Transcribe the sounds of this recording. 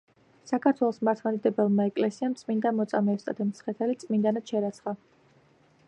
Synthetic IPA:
sakʰaɾt̪ʰwɛlˠɔsmaɾt̪ʰmɛd̪id̪ɛbɛlˠmaɛkʼlɛsiamt̪sʼmind̪amɔt̪sʼamɛːst̪ʼa̰t̪ʰɛmt̪sʰχɛt̪ʰɛlit̪sʼmind̪anat̪ʃɛɾat̪sʰχa

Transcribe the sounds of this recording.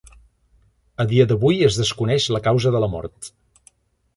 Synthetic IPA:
əðiəðəβujəzðəskunɛʃləkawzəðələmɔ̰ɾt̪

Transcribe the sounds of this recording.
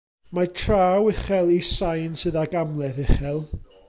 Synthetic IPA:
matʰraːwɪχɛlˠisajnsɨðaɡamlˠɛðɪχɛlˠ

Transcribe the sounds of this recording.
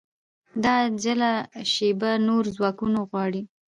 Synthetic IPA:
d̪ɑd͡ʒəlaʃebanoɾzwɑkunoɣwɑɽi

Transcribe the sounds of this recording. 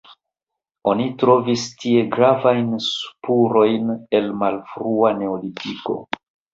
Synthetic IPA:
o̞nitɾo̞vistie̞ɡɾavajnspuɾo̞jne̞lmalfɾuane̞olitiko̞̰

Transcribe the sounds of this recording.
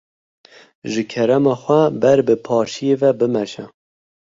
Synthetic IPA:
ʒɨkʰɛɾɛmɑːxʷɛbɛɾbɨpʰɑːʃijevɛbɨmɛʃɛ

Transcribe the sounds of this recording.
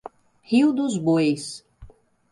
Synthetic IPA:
hiwd̪ʊzbojs

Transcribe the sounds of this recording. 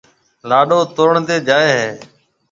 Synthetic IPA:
laːɗoːt̪oːɾɳt̪eːd͡ʒaːeːɦeː

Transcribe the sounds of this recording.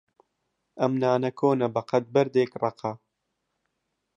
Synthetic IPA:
ʔɐmnaːnɐkʰoːnɐbɐqɐt̪̚bɐɾd̪eːkrɑqɑ

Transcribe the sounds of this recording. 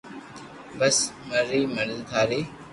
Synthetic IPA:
bəsməɾːiːməɾzk̪ʰaːɾeː

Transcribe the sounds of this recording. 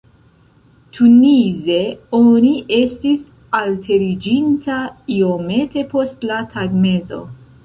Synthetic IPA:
tʰunize̞o̞niʔe̞stis | altʰe̞ɾid͡ʒintʰaiome̞te̞po̞stlatʰaɡme̞zo̞̰

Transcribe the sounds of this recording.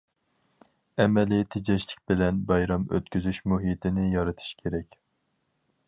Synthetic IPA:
ɛmɛlijt̪ʰɪd͡ʒɛʃlɪ̥k̚ʲbɪlɛnbɑjɾɑmø̰t̪kʲyzyʃmuɦit̪ʰɪnɪjɑɾɨt̪ʰɨ̥ʃkʲʰeɾɛkʲ

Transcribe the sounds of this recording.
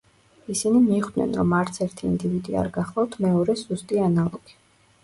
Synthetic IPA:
isinimiːχd̪nɛ̰nɾɔmaɾt̪sʰɛɾt̪ʰḭːnd̪ivid̪ia̰ɾɡaχlˠavt̪ʰmɛɔɾɛszust̪ʼianalˠɔɡ̥i̥

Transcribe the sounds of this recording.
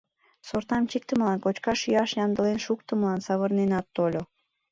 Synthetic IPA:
sort̪ɑmt͡ɕik̚t̪əməlɑnkot͡ɕkɑʃjøɑʃjɑnd̪ə̆lenʃukt̪əməlɑnsɑβərnenɑt̪ːolʲo

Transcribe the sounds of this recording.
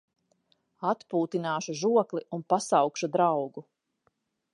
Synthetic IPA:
at̪puːt̪inaːʃuʒuɔklˠiunpasawkʃud̪ɾawɡu

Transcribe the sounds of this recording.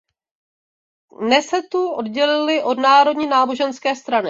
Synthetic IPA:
nɛsɛt̪uʔo̞dɟɛlɪlɪʔo̞dnaːɾo̞dɲiːnaːbo̞ʒɛnskɛːst̪ɾanɪ

